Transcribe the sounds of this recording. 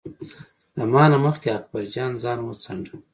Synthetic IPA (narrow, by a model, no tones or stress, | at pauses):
lamɑːnaməxkeak̚baɾd͡ʒɑːnzɑːnmot͡saɳɖa